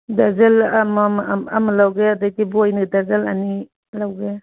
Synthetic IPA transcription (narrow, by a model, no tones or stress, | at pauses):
dazelamamamlawɡeadajɡibujnɯdazelani | lawɡe